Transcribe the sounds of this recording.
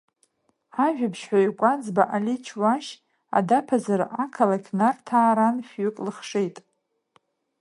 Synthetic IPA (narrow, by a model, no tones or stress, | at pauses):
aʒᶣabʰʃħʷᶣaikʷʼad͡zbaʔalʲit͡ʃʰwaʃ | a̰dapʰazarakʰalakʲʰnartʰaːɾanʃɥʏkʼlɨχʂejtʼ